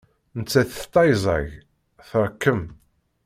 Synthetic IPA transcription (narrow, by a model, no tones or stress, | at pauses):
nət͡sːæθt̪ˤːɑjzˤɑ̰ʝ | θəɾˤkːəm